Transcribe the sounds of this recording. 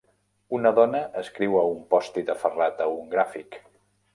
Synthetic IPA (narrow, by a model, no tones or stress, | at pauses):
unəðɔnəʔəskɾiwəumpɔst̪iðəfərat̪əuŋɡɾafik